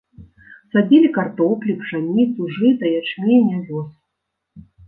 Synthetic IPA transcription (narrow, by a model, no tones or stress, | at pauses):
sad͡zʲilʲikart̪ɔplʲipʂanʲit̪suʐɨt̪ɐjat͡ʂmʲijnʲavʲɔs